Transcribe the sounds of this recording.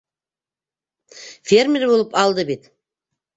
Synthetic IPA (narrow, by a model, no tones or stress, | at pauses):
fʲermʲeɾbolˠəpɑlˠd̪əbet̪